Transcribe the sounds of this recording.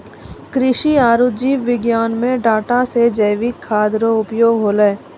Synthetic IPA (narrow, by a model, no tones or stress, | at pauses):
kɾɪʃiaːɾʊd͡ʒiːʋʋɪɡjaːnmẽɖaːʈased͡ʒəjʋɪkʰːaːd̪ɾoʊpjoːɡɦoːləː